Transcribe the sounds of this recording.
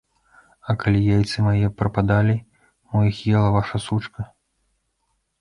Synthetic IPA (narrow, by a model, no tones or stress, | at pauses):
ɐkalʲijajt̪sɨmajɛpɾɐpad̪alʲi | mɔjixjɛlˠɐvaʂɐsut͡ʂkɐ